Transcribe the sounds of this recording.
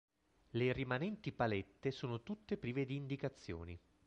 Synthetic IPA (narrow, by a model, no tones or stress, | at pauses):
lerimanɛnt̪ipalɛt̪ːesoːnot̪ut̪ːepɾiːved̪iːnd̪ikat̪sːjo̰ːni